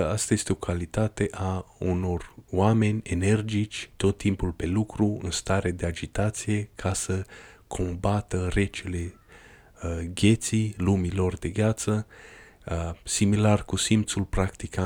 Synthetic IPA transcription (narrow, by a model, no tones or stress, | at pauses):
ast̪aje̞st̪eo̞kʰalit̪at̪e̞ʔauno̞roame̞nʲe̞ne̞rd͡ʒit͡ʃʲt̪o̞t̪ːimpulpe̞lukɾuɨ̰nst̪aɾed̪e̞ad͡ʒit̪at̪sije̞kʰasə | kʰo̞mbat̪əre̞t͡ʃele̞ | ɡʲe̞t̪silumilo̞rd̪e̞ɡʲat̪sə | similarkusimt̪sulpɾakt̪ika